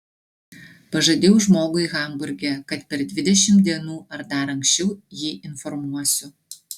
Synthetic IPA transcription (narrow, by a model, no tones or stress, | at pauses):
pɐʒɐd̪ʲewʒmoɡʊjɣɑmbʊrʲɡʲɛkɐt̪pʲɛrd̪ʲʋʲid̪ʲɛʃʲɪmd̪ʲeːnuːʔɐrd̪ɑɾɐŋkɕɪwjiʔɪnformuɐsʲʊ